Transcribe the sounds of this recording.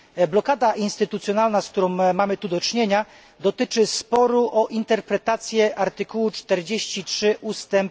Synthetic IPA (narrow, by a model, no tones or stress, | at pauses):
blɔkad̪aʔinst̪ɘt̪ut̪sʲjɔnalnaskt̪uɾɔ̃w̃mːamɘt̪ud̪ɔt͡ʂɲeɲa | d̪ɔt̪ɘt͡ʂɘspɔɾuʔɔʔint̪ɛɾpɾɛt̪at̪sʲjɛʔaɾt̪ɘkuwut͡ʂt̪ɛɾd͡ʑeɕt͡ɕitʂɘʔust̪ɛmp